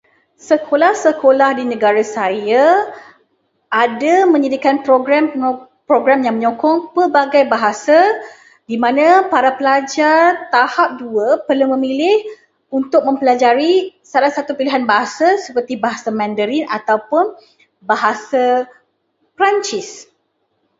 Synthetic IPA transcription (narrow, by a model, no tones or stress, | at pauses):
səkʰolahsəkolahdinə̃ɡaɾasaja | ʔadamə̃ɲədikanpɾoɡɾaməŋ | pɾoɡɾamjãŋməɲɔkɔŋpəbaɡajbaɦasa | dimãnãpaɾapəlad͡ʒart̪ahap̚duəpərlumə̃milɪh | unt̪ʊk̚mə̃mpəlad͡ʒaɾisalahsat̪upiliɦanbaɦasasəpərt̪ibaɦasamɛ̃ndəɾina̰t̪awpʊn | baɦasa | pɾaɲt͡ʃɪs